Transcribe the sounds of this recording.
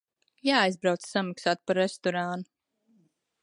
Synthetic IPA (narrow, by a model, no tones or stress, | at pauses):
jaːajzbɾawt̪ssamaksaːt̪̚paɾːest̪ɔɾaːnu